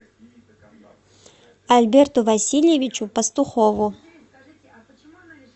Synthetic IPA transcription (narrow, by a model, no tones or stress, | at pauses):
alʲbʲert̪ʊvɐsʲilʲjevʲit͡ʃʊpɐst̪ʊxovʊ